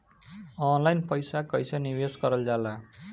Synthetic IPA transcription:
ɔnlajnpʌjsakʌjsaniweskʌɾʌld͡ʒala

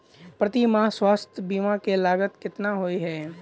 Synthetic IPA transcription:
pɾət̪imaswaːst̪ʰjəbiːmãkelaːɡət̪kɪt̪naɦoiɦɛː

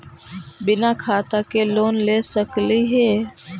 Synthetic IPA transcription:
bɪnaːkʰaːt̪akeloːnleːsəkliɦeː

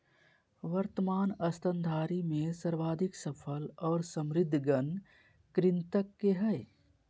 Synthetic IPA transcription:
ʋəɾt̪əmaːnɐst̪ə̃nd̪ʱaːɾimẽsəɾʋaːd̪ʱɪksəpʰəlɔːɾsə̃mɾɪd̪ʱːɡən | kɾɪnt̪əkːeɦɛː

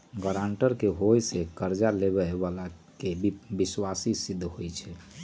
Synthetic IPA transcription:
ɡəɾaɳʈəɾkeɦojsekəɾd͡ʒaleβɛbala | kebiswasisid̪ʱːɦojt͡ʃʰɛ

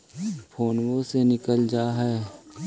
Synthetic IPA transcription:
pʰoːnwõsenɪkəld͡ʒaːɦɛː

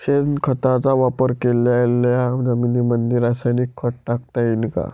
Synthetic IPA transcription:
ɕenkʰət̪ãt͡saʋapəɾkeljaelːjad͡zəminimənd̪iɾasajnikʰːəʈ̚ʈak̚t̪ainka̰

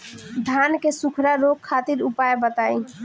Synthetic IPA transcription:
d̪ʱankesukʰɾaɾokkʰːat̪iɾupaebət̪aĩ

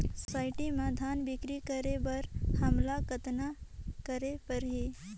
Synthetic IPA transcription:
sɔsaːɪʈimãd̪ʱaːnbɪkɾikəɾebɐɾhɐmlakət̪nakəɾepəɾɦe

